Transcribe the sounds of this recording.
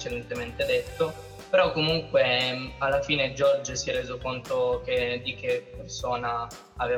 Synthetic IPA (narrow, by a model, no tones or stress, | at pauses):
t͡ʃːed̪ɛnt̪ement̪ed̪et̪ːo | peɾɔkːomuŋkwealːafiːned͡ʒɔrd͡ʒəsjɛrːeːzokont̪ok̟ed̪ik̟epːersoːnaː | veː